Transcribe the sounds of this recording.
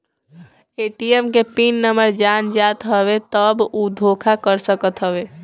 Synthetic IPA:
eʈiemkepinːəməɾd͡ʒand͡ʒat̪ɦəβet̪əbud̪ʱokʰakəɾsəkət̪ɦəbe

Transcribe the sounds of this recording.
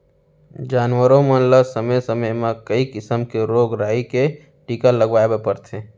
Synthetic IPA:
d͡ʒaːnwəɾõmələsəməjsəməjmẽkəikɪsəmkeɾoːɡɾaːike | ʈikaləɡʋaːebepəɾt̪ʰe

